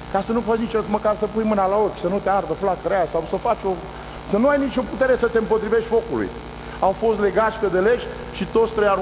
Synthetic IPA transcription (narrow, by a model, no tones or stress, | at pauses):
kasənufat͡ʃnit͡ʃot̪məkarsəpujmɨnalao̞kʲsənut̪eard̪əflak̚t̪ɾeasawsəfat͡ʃʲo̞ | sənuajnit͡ʃʲo̞put̪e̞ɾe̞sət̪eɨmpo̞t̪ɾive̞ʃt̪ʲfo̞kulṵj | awfo̞st̪le̞ɡat̪ʃʲked̪eleʃʲ | ʃit̪o̞t̪sʲt̪ɾeja